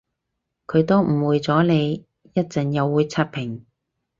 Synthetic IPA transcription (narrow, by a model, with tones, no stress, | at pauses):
kʰɵ˨˧ɥt̪o˥wm̩˨˩wuː˨˧jt͡sɔː˨˥ne˨˧j | jɐ˥t̚t͡sɐ˨njɐ˨˧wːuː˨˧jt͡sʰɐ˥t̚pʰɪ˨˩ŋ